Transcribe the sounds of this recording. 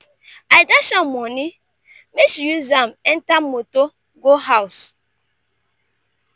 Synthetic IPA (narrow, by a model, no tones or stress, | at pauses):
ajdasãmmɔni | mesjuzamɛntamoto | ɡoɦaws